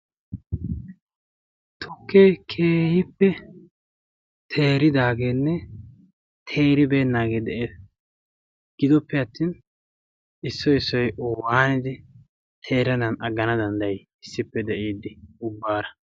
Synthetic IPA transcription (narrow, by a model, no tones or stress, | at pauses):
t̪ʰɔkːekʰeːhɪpːɛ | t̪ʰeːɾɪd̪aːɡeːnːɛ | t̪ʰeːɾɪbe̞ːnːaːɡeːd̪ɛʔe | ɡ̥ɪd̪ɔpːɛɐt̪ːiːn | ɪsːɔɪsːɔjʔɔwaːnɪd̪ɪ | t̪ʰe̞ːɾɐd̪ɐnʔɐɡːɐnɐd̪ɐnd̪ɐj | ɪsːɪpːɛd̪ɛʔiːd̪ːɪʊbːaːɾɐ